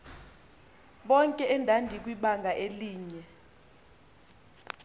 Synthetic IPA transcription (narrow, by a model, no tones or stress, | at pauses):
ɓɔŋkʼɛɛndʱandʱik̬wiɓaŋɡʱaʔeliːɲɛ